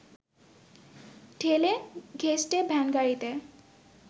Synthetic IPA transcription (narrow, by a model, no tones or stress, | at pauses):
ʈʰeleɡʱesʈebʱɛnɡaɹit̪e